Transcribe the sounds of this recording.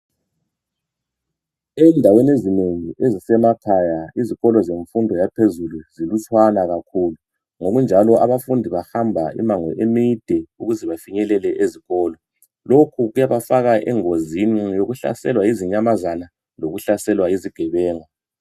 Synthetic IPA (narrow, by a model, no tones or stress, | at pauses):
ɛndʱawenezineŋiʔezisɛmakʰajaiziɣɔlɔzeɱfundʱɔjapʰezuluzilut͡ʃʼwanaɣakʰuːlu | ŋoɣund͡ʒʱalɔʔaβafundʱiβahambʱaḭmaŋwɛ̰ʔemid̥ʱɛuɣuzɛβafiɲɛlɛlɛʔeziɣɔːlɔ | lokʰuɣujaβafaɣaʔɛ̰ŋozinijoɣuɬa̰sɛlwaiziɲamazana | loɣuɬasɛlwaeziɡ̥ʱɛβɛːŋa